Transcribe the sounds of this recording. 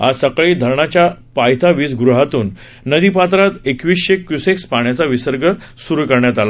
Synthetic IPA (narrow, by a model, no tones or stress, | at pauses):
asəkɭiːd̪ʱəɾɳat͡ɕjapajt̪ʰaʋiːsɡɾuɦat̪uːnː | əd̪ipat̪ɾat̪ekʋiːsɕekjusekspaɳjat͡saʋisəɾɡʱə | suɾukəɾɳjat̪ala